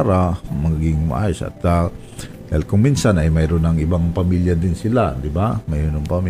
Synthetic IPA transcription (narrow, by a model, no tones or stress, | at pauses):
ɾamɐɡɪŋma̰ʔaːjʊsa̰t̪ːa | d̪ahilkʊŋminsanajmajɾʊnaŋɪbaŋpamiljad̪ɪnsɪlad̪ɪbamajɾʊnaŋpami